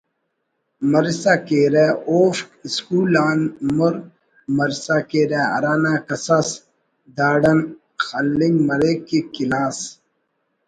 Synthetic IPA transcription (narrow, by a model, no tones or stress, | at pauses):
mɐɾisakeːɾeoːfskuːlaːnmuɾ | mɐɾisakeːɾeɐ̰ɾaːnaːkɐsɐs | d̪aːɖɐn | xɐlːiŋɡmɐɾekekilaːs